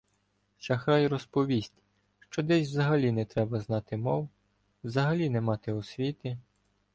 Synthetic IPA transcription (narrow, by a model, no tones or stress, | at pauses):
t͡ʃɐxɾɑjɾɔspɔʋʲisʲtʲ | ʃt͡ʃɔd̪ɛsʲwzɐɦɐlʲinɛt̪ɾɛbɐznɑt̪ɪmɔw | wzɐɦɐlʲinɛmɑt̪ɪɔsʲʋʲit̪ɪ